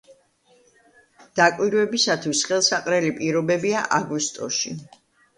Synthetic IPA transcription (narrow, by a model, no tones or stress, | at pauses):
d̪̥akʼwiɾwɛbisat̪ʰwisχɛlˠsaqʼɾɛlipʼiɾɔbɛbiaʔaɡist̪ʼɔʃi